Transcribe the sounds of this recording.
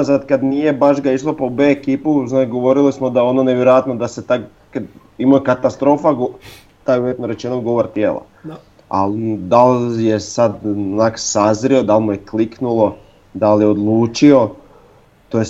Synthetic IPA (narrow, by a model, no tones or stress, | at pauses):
zad̪kad̪nije̞baʃɡaiʃlˠopobeːkiːpuznakɡo̞ʋo̞ɾilismod̪ao̞noneʋjeɾojat̪nod̪aset̪a | ka | imokat̪ast̪ɾo̞ːfaɡo | t̪ajujet̪noɾe̞t͡ʃenoɡo̞ʋoɾt̪jeːlˠa̰ | a̰ld̪aljesad̪naksazɾio̞d̪almujekliknulˠo̞ | d̪aljeod̪lˠuːt͡ʃio̞ | t̪oje